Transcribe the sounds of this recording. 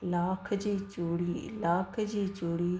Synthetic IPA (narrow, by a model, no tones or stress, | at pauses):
laːkʰd͡ʑiːt͡ɕoːɽiːlaːkʰd͡ʑiːt͡ɕoːɽiː